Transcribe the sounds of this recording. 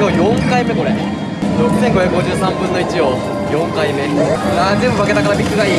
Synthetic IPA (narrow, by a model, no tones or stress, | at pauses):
oːjõŋkaime̞ko̞ɾe | dosẽ̞ŋɡo̞çjakɯ̟ɡo̞d͡ʑɨːsãmbɯ̟̃nːo̞it͡ɕijoː | jõ̞ŋkaimenãnd͡ʑẽmbɯβake̞t̪akaɾabʲikːɯ̟ɡaiː